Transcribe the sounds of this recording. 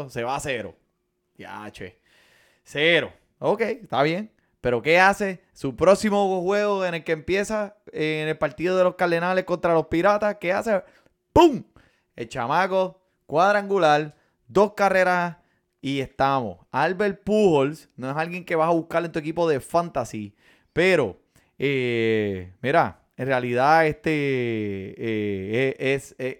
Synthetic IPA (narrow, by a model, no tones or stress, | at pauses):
se̞βase̞ɾo̞̰ | ja̰t͡ʃḛ | seɾo̞̰ | okejst̪aβjeŋ | pe̞ɾo̞ke̞ase̞ | supɾo̞ksimohwe̞ɣoene̞lkempje̞saenelpaɾt̪iðoð̞elo̞skald̪e̞nale̞hko̞nt̪ɾalo̞spiɾat̪ake̞ase | puŋ | ḛlt͡ʃa̰mako̞ | kwaðɾaaŋɡulal | d̪o̞skare̞ɾa | ie̞st̪amo̞̰salβe̞lpuholsnoesalɣje̞ŋke̞βasaβuhkaɾlent̪ue̞k̬ipo̞ðe̞fant̪asi | pe̞ɾo̞ | e | miɾa | enrealiðaest̪e | eeese